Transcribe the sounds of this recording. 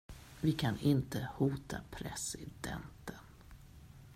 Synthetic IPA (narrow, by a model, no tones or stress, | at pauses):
vɪkʰanɪnt̪əhuːt̪ʰapʰɾɛsɪd̪ɛ̰nt̪ən